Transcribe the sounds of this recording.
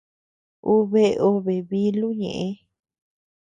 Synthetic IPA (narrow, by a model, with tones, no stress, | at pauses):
u˦βe˧o˧βe˨βi˧lu˦ɲḛ̃˨ʔẽ˧